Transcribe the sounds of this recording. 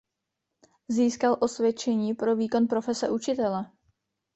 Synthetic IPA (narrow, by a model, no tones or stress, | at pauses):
ziːskalʔo̞svjɛt͡ʃɛɲiːpɾo̞viːko̞npɾo̞fɛsɛʔut͡ʃɪt̪ɛlɛ